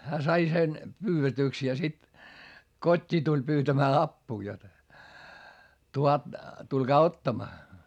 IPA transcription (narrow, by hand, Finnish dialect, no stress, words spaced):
hæː sɑi sen pyːʋetyˑks jɑ sit kotʲːiː tulʲ pyːtæmæː ɑpːuː jot tulkɑː otːɑmɑː